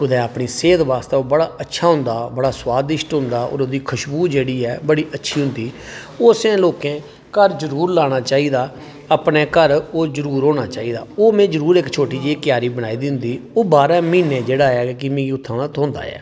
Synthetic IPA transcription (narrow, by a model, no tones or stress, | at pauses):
kʊd̪ɛːapɳiːseːd̪ʋaːst̪ɛːoːbəɽaːətːʃʰaːɦʊ̃nd̪aːbəɽaːswaːd̪ɪʃʈɦʊ̃nd̪aːo̰ːɾoːd̪iːkʰəʃbuːd͡ʒeːɽiːɛːbəɽiːʔətːʃʰiːɦʊ̃nd̪iː | oːsɛ̃ːloːkẽː | kəɾd͡ʒəɾuːɾlaːɽ̃aːt͡ʃaːiːd̪aː | əpneːkəɾoːd͡ʒəɾuːɾɦoːɽ̃aːt͡ʃaːiːd̪a̰ːoːmẽːd͡ʒəɾuːɾekt͡ʃʰoːʈiːd͡ʒeiːkjaːɾiːbəɽ̃aːiːd̪ɪnd̪iːoːbaːɾaːmĩːnẽːd͡ʒeːɽaːɛːkɪmẽːiʊt̪ʰːãːnat̪ɦõːnd̪a̰ːɛ̰ː